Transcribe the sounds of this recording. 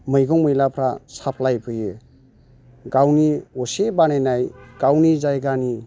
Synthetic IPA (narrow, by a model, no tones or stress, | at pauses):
mɯjɡɔŋmɯjlapʰɾasapʰlajpʰɯje | ɡawniɔsebanenajɡ̥awnizajɡani